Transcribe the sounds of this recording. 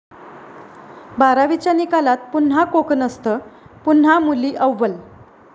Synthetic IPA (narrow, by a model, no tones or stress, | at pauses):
baɾaʋit͡ɕjanikalat̪̚pun̤ɦakokənəst̪əpun̤amuliːʔəʋːəl